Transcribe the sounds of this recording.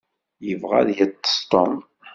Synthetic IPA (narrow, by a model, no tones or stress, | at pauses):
jəvʁa̰ðjæt̪ːə̥st̪ˤɔm